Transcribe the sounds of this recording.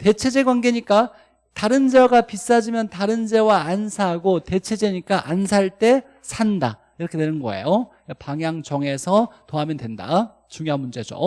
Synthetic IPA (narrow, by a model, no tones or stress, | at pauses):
te̞t͡ɕʰe̞d͡ʑe̞ɡwanɡe̞ɲik͈a | taɾɯnd͡ʑʌɡapis͈ad͡ʑimjʌntaɾɯnd͡ʑe̞waːnsʰaɡote̞t͡ɕʰe̞d͡ʑe̞ɲik͈aʔansʰaɭt͈e̞ | sʰanda | iɾʌkʰe̞nenɯnɡʌḛjo | paŋjaŋt͡ɕʌŋe̞sʰʌtoɦamjʌndwe̞nda̰ | t͡ɕuŋjoɦanmund͡ʑe̞d͡ʑo̰